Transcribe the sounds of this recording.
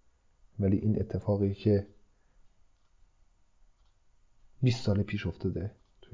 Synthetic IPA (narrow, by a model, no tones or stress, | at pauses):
ʋælḭːʔinʔet̪ʰːefɑːɣejcʰe | bisːɑːlepʰiːʃofd̪ʰed̪e | t̪ʰu